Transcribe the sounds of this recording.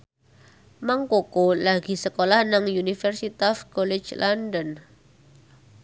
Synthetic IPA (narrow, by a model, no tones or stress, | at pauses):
maŋkokolaɡ̥i̤səkolahnaŋjunifərsit̪afkɔlɛ̥t͡ʃlʔandɔn